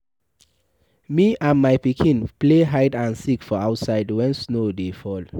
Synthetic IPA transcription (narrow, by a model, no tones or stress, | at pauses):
miʔãnmajpikʰĩnpleɦajdãnsikfɔaʊtsaɪdwɛ̃nsnodefɔl